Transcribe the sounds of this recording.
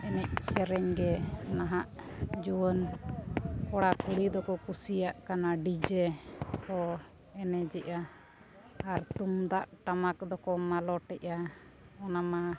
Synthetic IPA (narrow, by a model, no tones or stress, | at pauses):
ɛnɛc̚sɛɾɛɲɡɛnaɦaʔd͡ʒuwən | kɔɽakuɽid̪ɔkɔkusijaʔkanaɖid͡ʒɛkɔ | ɛnɛd͡ʒɛʔaː | ɾt̪umd̪aʔʈamak̚d̪ɔkɔmalɔʈɛʔa | ɔnama